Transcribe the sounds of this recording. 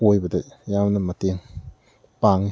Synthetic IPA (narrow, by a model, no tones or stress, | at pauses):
ojbɐdɐjamnɐmɐteŋ | paŋi